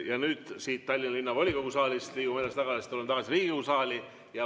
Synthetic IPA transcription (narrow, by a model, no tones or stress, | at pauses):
jɑnyːd̪̥siːt̪ːɑlʲːinɑlinːɑvolʲiko̞ɡusɑːlʲist̪liːɡumelest̪ɑɡɑlest̪ulːent̪ɑɡ̥ɑsiriːɡikokusɑːlʲi | jɑ